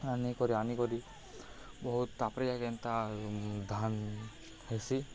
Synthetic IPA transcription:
anikɔɾianikɔɾi | bɔɦut̪apɾijakɛnt̪ad̪ʱan | hesi

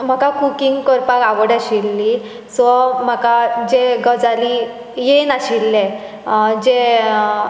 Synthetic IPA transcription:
m̤akakukiŋɡkɔɾpakaʋəɽaɕilːi | sɔm̤akad͡ʑeɡəd͡zali | jenaɕilːẽ | d͡ʑe

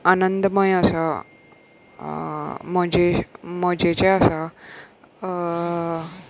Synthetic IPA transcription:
anənd̪məjəsa | məd͡ʑeməd͡ʑet͡ɕeasa

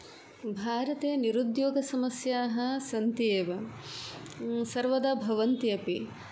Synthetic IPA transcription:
bʱaːɾɐt̪eːniɾud̪joːɡɐsɐmɐsjaːɦɐ̆sɐnt̪eːʋɐ | sɐɾʋɐd̪aːbʱɐʋɐnt̪iɐpi

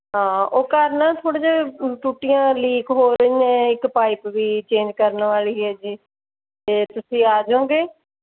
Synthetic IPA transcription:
ɦãːoːkəɾnaːt̪ʰoːɽeːd͡ʒaːʈuːʈɪjãːliːkɦoːɾəiɛ̃ːɪkpaːɪpʋiːt͡ʃẽːnd͡ʒkəɾnʋaːliːɦɛːd͡ʒiː | t̪eːt̪ʊsĩːaːd͡ʒõːɡeː

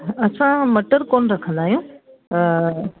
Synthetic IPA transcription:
ɐsʰãmɐʈəɾkoːnɾɐkʰə̃nd̪aːɦijũː

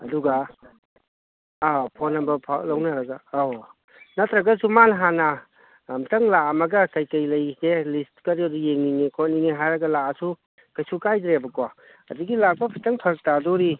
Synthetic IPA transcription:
ɐduɡa | pʰonɐmbɐpʰa̰lɐwnɐɾɐɡaː | nɐt̪ʰɾɐɡɐsumanɦanɐ | mtɐŋlamɐɡɐkɐjkɐjlɐjselistkɐɾiɐdujeŋninikʰoniniɦajɾɐɡɐlaasu | kɐjsukajdɾebɐkwa | ɐduɡilak̚bɐpʰitɐŋpʰɐɾk̚tadɔɾi

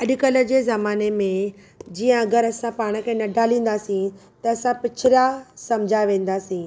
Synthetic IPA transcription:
ɐɗʊkɐlə̆d͡ʑeːzɐmaːnemẽ | d͡ʑiːə̃ɐɡəɾɐsãpaːɽ̃ə̆kʰẽnɐɖʱaːlĩːn̆d̪aːsĩt̪ɐɐsãpɪt͡ɕʰɪɾasɐmd͡ʑʱaʋẽːn̆d̪aːsĩː

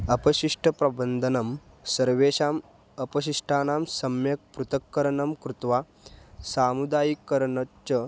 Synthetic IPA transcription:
ɐpɐɕiʂʈʰɐpɾɐbənd̪ʱɐnɐm | sɐɾʋeːɕaːm | ɐpɐɕ̬iʂʈʰaːnaːmsɐmjɐk̚pɾut̪ɐkːɐɾɐɳɐmkɾut̪ʋaː | saːmud̪aːjikːɐɾɳɐtt͡ʃɐ

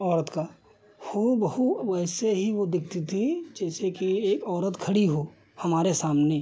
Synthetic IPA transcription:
ɔːɾət̪ka | xubɐhuʋɛːseɦiʋod̪ɪk̚ʰt̪it̪ʰid͡ʒɛːsekieːkɔːɾət̪kʰɐɽiɦoː | hɐmaːɾesaːmne

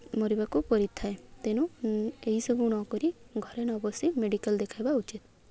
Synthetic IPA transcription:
moɾibakupɔɾit̪ʰːaet̪enueɦisɔbʱuñɔkɔɾiɡʱɔɾenɔbɔsimeɽikəld̪ekʰajbaut͡ʃit̪

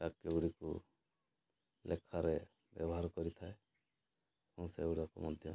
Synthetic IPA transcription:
akːeuɽikṵ | lʔekʰaɾe | bjɔbɔɦaɾkɔɾit̪ʰae | kɔwseuɽakumɔd̪ʱjɔ

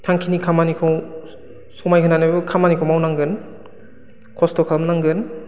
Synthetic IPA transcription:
tʰaŋkʰinikʰamanikʰaw | sɔmajkʰɯnanabɯkʰamanikʰawmawnaŋɡɯn | kʰɔstʰɔkʰamnaŋɡɯn

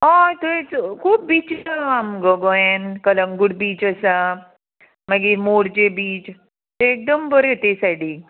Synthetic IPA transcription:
at̪et͡skʰuːp̚biːt͡ɕaamɡəɡojenkələŋɡuɽbiːt͡ɕəsa | maɡimoɽd͡ʑebiːt͡ʃ | t̪eːk̚d̪əmbəɾeot̪esaɽi

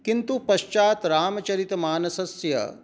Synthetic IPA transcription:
kint̪upɐʃt͡ʃaːt̪ɾaːmɐt͡ʃɐɾit̪maːnɐsɐsjɐ̰

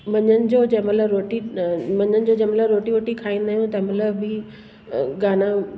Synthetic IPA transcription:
ʋɐɲənɪ̆d͡ʑoːd͡ʑɐ̃ɦmɐt̪ləbɾoːʈimɐɲənɪ̆d͡ʑoːd͡ʑɐ̃ːmɐtləbɾoːʈiʋoːʈikʰaːĩnd̪aːɦjũt̪ɐɦɪ̃mɐt̪ləbbɪ | ɡaːna

